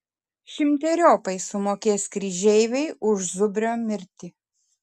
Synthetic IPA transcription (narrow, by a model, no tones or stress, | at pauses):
ʃʲɪmʲt̪ʲɛɾʲoːpɐɪsʊmoːkʲeːskɾʲiʒʲɛɪʋʲɛɪʊʃzʊbʲɾʲoːmʲɪɾʲt̪ʲi